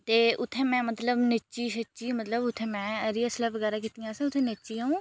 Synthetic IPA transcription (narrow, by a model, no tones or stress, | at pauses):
t̪eːʔʊt̪ʰːẽːmɛ̃ːmət̪ləbnɪt͡ʃiːʃət͡ʃːiːmət̪ləbʊt̪ʰːẽːmɛ̃ːəɾiəsləʋəɡɛːɾaːk̬iːt̪ijãːsẽːʊt̪ʰːẽːnɪt͡ʃiːaːũː